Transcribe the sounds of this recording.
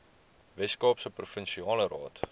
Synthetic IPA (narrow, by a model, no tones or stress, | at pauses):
vɛskɑːpsəprufənʃiɑːləɾɑːt